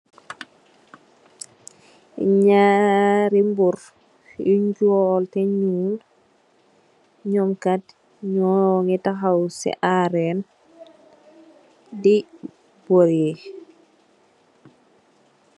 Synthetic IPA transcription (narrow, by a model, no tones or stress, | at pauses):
ɲaːɾimbuɾ | iɲɟuɔltɛɲul | ɲɔmkat | ɲɔŋitaxawsɛ̰ʔaɾɛn | di | boɾe